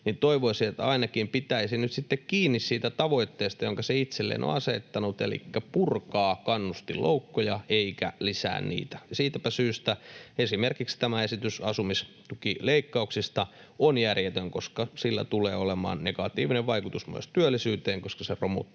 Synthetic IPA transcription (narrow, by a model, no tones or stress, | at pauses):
nint̪oiʋoisiet̪ɑinɑkimpit̪æisinyt̪sit̪ːekkiːnːissiːt̪æt̪ɑʋoit̪ːeːst̪ɑjoŋkɑseit̪selːḛːno̰ɑset̪ːɑnut̪ḛlḭkːæpurkɑːkɑnːust̪ilʔo̰ukːojɑeikæ̰lisæ̰ːnnḭːt̪æ̥jɑsiːt̪æpæsyːst̪æesimerkikst̪æmæesit̪ysɑsumist̪ukileikːɑuksist̪ɑonjærjet̪øŋkoskɑsilːæ̰t̪ulḛːolemɑ̰ːnneɡ̥ɑt̪ḭːʋineʋʋɑikut̪usmṵest̪yølːisyːt̪eːŋkoskɑseromṵt̪ː